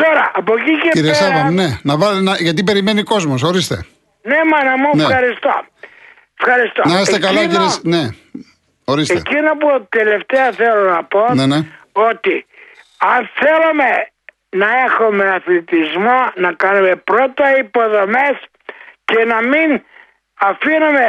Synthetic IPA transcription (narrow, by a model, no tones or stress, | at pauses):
t̪oɾɐʔɐpociceiɾiesɐðɐne̞nɐvɐlnɐʝɐt̪̬ipe̞ɾime̞niko̞zmoso̞ɾist̪e̞ | ne̞mɐnɐmunexɐɾist̪o̰ | efxɐɾist̪onɐɐst̪ekɐlɐkiɾesne̞ | o̞ɾisteecino̞put̪ele̞ft̪eɐθelo̞nɐpo̞nene | o̞t̪i | ɐnθe̞lume̞ | nɐe̞xome̞ɐθlit̪izmonɐkɐnume̞pɾo̞t̪ɐipo̞ðo̞me̞s | ce̞nɐmin | ɐfinume